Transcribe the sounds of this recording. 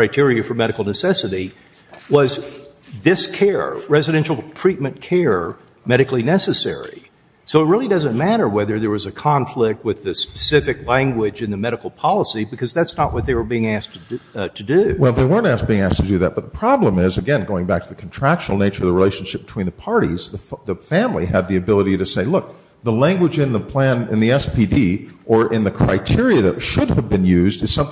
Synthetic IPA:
kʰɹ̥aɪtʰɪɹiɨfə˞mɛɾɨkl̩ˠnɨsɛsɨɾi | wʌz | ðɪskʰɛɹɹɛzɨɾɛ̃nʃl̩ˠtʰɹ̥it̚mɨ̃nkʰɛɹ | mɛɾɨkl̩ˠinɛsɨsɛ̰ɹḭ | soʊət̚ɹɪlˠidʌzɨ̃nmæɾə˞wɛðə˞ðə˞wʌzɨkʰɑ̃ɱflɪk̚t̚wɨðɨspɨ̥sɪfɨklæ̃ŋɡwɪd͡ʒɨ̃nðɨmɛɾɨkl̩ˠpʰɑlˠəsibɨkʰʌzðætsnəʔwʔʌt̪̚ðeɪwə˞biɪ̃ŋæstʰɨtʰɨdʉwɛlˠðeɪwɜ̃˞ntæsb̥iɪ̃ŋæstʰɨdɨðɨ̰t̚b̥ʌt̪̚ðəpʰɹ̥ɑblə̃mɪzɨɡɛ̃nɡoʊɪ̃ŋbæk̚tʰəðɨkʰn̩tʰɹ̥ækʃn̩l̩ˠneɪt͡ʃə̰˞ʌvðəɹileɪʃn̩ʃɪp̚b̥tʰw̥ĩnðəpʰɑɹɾḭz̥ðɨðɨfæ̃mliɨd̪̚ðiɨbɪlˠəɾiɾɨseɪlʊk̚ | ðəlæ̃ŋɡwəd͡ʒɨ̃nðəpʰl̥æ̃nɪ̰̃nðiɛspʰidiʔə˞ʔɪ̃nðɨkʰɹ̥a̰ɪtʰɪɹiɨðɨtʃʊdɨvbɨ̃njʉzdɨz̥sʌ̃m

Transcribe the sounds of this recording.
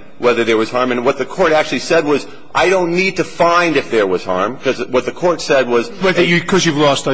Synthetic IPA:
wɛðə˞ðə˞wʌz̥hɑɹmɨ̃nwʌt̪̚ðɨkʰɔɹɾæk̚t͡ʃʉl̩ˠisɛd̚wʌz | ʔaɪɾõʊ̃nːid̚tɨfãɪ̃ndɨfðə˞wʌz̥hɑ̰ɹmkʰʌzwʌt̪̚ðɨkʰɔɹtsɛd̚wʌzwɛðɨjɨkʰʌzjʉvlɔst̪̚ə

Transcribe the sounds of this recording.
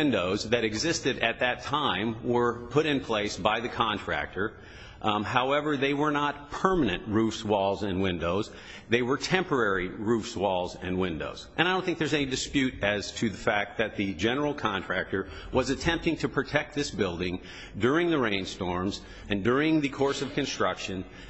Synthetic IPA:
ɪ̃ndoʊzðɨɾɨɡzɪstɨɾɨt̪̚ðɨtʰãɪ̃mwə˞pʰʊɾɨ̃npʰl̥eɪsb̥aɪðɨkʰɑ̃ntʰɹ̥æ̰k̚tʰə˞ | haʊɛvə˞ðeɪwə˞nət̚pʰɜ˞mɨnɨ̰̃nʔɹufswɔlˠzɨ̃nwɪ̃ndoʊz | ðeɪwə˞tʰɛ̃mpə˞ɛɹiɹufswɔlˠzɨ̃nwɪ̃ndo̰ʊz̥ɨ̃naɪõʊ̃nθɪ̃ŋk̚ðə˞zɛnidɨspjʉɾɨz̥tʰɨðɨfæk̚t̪̚ðɨt̪̚ðɨd͡ʒɛnə˞l̩ˠkʰɑ̃ntʰɹ̥æk̚tə˞ | wʌzɨtʰɛ̃mp̚tɪ̃ŋtʰɨpʰɹ̥ɨtʰɛk̚t̪̚ðɪsb̥ɪlˠdɪ̃ŋ | dʊɹɪ̃ŋðɨɹẽɪ̃nstɔɹmz | ɨ̃ndʊɹɪ̃ŋðɨkʰɔɹsʌv̥kɨ̃nstɹ̥ʌkʃɨ̃n

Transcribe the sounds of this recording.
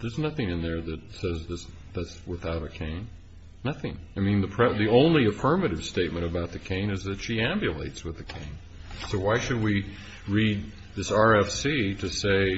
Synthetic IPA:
ðə˞znʌθɪ̃ŋɨ̃nðə˞ðɨt̚sɛzðɪs | ðætswəθaʊɾɨkʰẽɪ̃nː | ʌθɪ̃ŋaɪmĩnðɨpʰɹ̥ɛðiõʊ̃nliɨfɜ˞mɨɾɨv̥steɪt̚mɨ̃ɾ̃ɨbaʊt̪̚ðɨkʰẽɪ̃nɨzðɨtʃiæ̃mbjɨlḛɪtswɨðɨkʰẽɪ̃n | soʊwaɪʃɨd̚wi | ɹid̪̚ | ðɪsɑɹɛfsiɾɨseɪ

